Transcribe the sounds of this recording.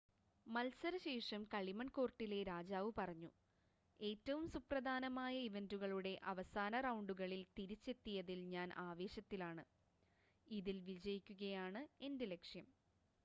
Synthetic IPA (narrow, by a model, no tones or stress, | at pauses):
mɐlsɐɾɐɕe̞ːʂɐmkɐɭimɐɳko̞ːrʈːile̞ɾaːd͡ʑaːʋɨpɐrɐɲːu | e̞ːtːɐʋumsuprɐd̪ʱaːnɐmaːjɐiʋe̞nduɣɐɭuɽe̞ʔɐʋɐsaːnɐrɐwɳɖuɣɐɭilt̪iɾit͡ɕːe̞t̪ːijɐðilɲaːnʔaːʋe̞ːɕɐt̪ːilaːɳɨ | iðilʋid͡ʑɐjikʲːuɣɐjaːɳɨe̞ndele̞kʂjɐm